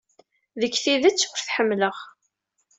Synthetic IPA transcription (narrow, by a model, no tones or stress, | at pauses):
ðəkːθiðæt͡sːwəɾθħəmːləʁ